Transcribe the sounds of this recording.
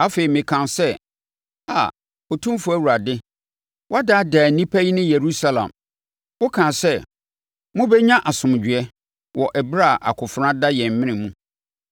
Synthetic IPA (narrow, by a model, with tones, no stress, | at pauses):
a˦fe˨i˨mɪ̃˨kʰã˨nsɛ˦ | ha̰˨ | o˨tʰũ˦m˦fʊ˨æ˦˨wu˨ɾa˨dɪ˦ | wa˦da˦daː˨nĩ˦pʰæ˦ji˦nɪ̃˦je˨ɾu˦sa˦lã̰˨m | wʊ˦kʰã˨sɛ˦ | mʊ̃˦bɛ˦ɲã˦ʔa˨sʊ̃˨m˨d͡ʑᶣɥɛ˦ | wɔ˨ʔɛ˨bɾa˦˨ʔa̰˨kʰʊ˨fɾã˦da˦jɛ̃˨m̩˨mɪ̃˦nɪ̃˨mũ˦